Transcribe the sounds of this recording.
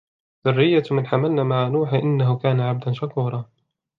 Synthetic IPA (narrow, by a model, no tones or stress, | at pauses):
ðʊrːɪjːamɪnħamalnamaʕanuːħʔɪnːaɦʊkaːnaʕab̚d̪anʃakuːɾˤɑː